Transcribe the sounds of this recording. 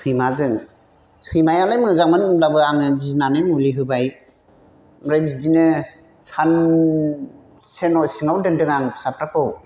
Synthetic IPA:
sʰɯjmazɯŋ | sʰɯjmajalajmɯzaŋmɯnɯmlabɯaŋɯbizinanɯjmuliɦɯbaj | mɾajbidinɯ | san | senɔsiŋawdɯndɯŋaŋsap̚ɾakʰɯw

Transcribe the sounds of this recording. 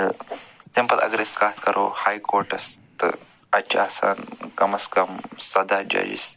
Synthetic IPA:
simpɐlʔɐ̰ɡɾeskaːt̪kɐɾʔoːhaːjkoːɾʈɐst̪ɨ̰ | ɐt͡ʃʰaːsa̰ːnkɐmɐskɐmsɐd̪aːd͡ʒɐ̰d͡ʒḭs

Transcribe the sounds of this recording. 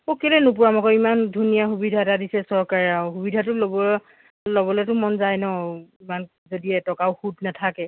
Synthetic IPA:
okelɛnup̬ʊɹamakɔimandʱunijaxubidʱaɛtadisɛsɔɹkaɹɛahubidʱatʊlɔbɔ | lɔbɔlɛtʊmɔnzajnɔiman | zodiɛtɔkaʊhutnatʰakɛ

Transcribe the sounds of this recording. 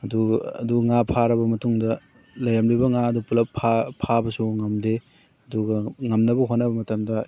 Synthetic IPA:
ɐduɐ̰duŋapʰaɾɐbɐmɐtuŋdɐ | lɐjɾɐmlibɐŋaɐdupulɐpʰapʰːabɐsuŋɐmde | ɐduɡɐŋɐmnɐbɐɦonːɐbɐmɐtɐmdɐ

